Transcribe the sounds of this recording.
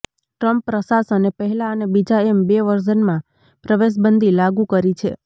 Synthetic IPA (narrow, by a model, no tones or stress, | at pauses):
ʈɾəmpːɾəsasənepəɦɛlaənebid͡ʒaembeʋəɾd͡ʒənmã | pɾəʋeʃ̬bənd̪ʱilaɡũkəɾit͡ʃʰe